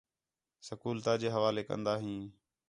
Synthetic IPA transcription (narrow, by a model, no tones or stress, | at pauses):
səkuːlt̪aːd͡ʒeːɦəʋaːleːkə̰nd̪aːɦĩː